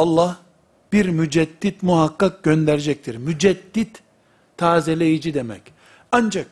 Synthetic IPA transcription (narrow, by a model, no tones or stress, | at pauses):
ɑlˠːah | b̥iɾmyd͡ʒɛd̪̥ːit̪muɦakːak̚ɟønd̪æɾed͡ʒɛc̚t̪ʰiɾmyd͡ʒɛd̪̥ːit̪ʰː | aːzelʲejid͡ʒid̪emɛ̰c | and͡ʒak̚